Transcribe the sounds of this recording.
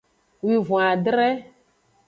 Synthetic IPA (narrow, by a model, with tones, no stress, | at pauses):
wi˨vũ˨a˨dɾɛ˦